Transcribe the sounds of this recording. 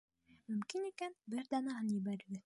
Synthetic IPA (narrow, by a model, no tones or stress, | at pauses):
mɵ̆mkinikænbɘɾd̪ɑnɑɦɤnjɘ̆bæɾɘɡ̪ɘ